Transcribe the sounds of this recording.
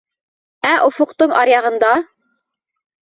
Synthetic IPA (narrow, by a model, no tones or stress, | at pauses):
æʔŏfŏqt̪ɤɴɑɾjɑʁɤ̆nd̪ɑ